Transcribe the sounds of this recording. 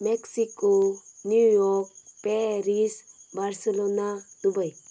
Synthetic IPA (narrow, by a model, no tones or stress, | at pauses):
mɛksikonjujɔkpɛɾisbaɾselonad̪̥ubaj